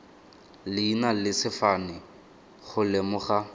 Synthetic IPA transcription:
lɪinalɪsɪfanɪ | χʊlɪmʊχa

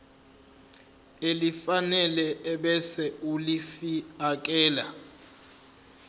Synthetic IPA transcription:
elifanɛlɛʔɛɓɛsɛulifiak̬ʼɛːla

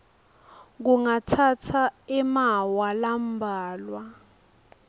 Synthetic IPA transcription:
ɡuŋatʰatʰaɛmawalambʱaːlwa

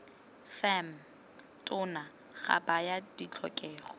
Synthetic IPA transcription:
fɛm | tʼʊna | χa̰bajadit͡ɬʰɔ̰kʼɛːχɔ

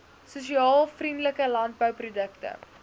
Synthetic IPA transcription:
suʃiɑːlˠfrindləkəlɐnt̚bəwprudəktə̰

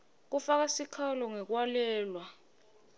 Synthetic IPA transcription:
k̬ufak̬asikʰalɔŋɛk̬walɛːlwa

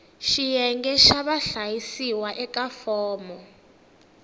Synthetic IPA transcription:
ʃijɛŋɡɛʃaɓaɬajisiwaʔɛk̬ʼafɔːmɔ

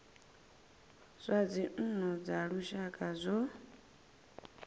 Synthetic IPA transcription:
sʷad͡zin̩nɔd͡zaɺuʃakʼazʷɔ

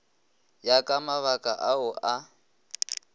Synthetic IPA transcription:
jakʼamaβakʼaʔaʊʔa

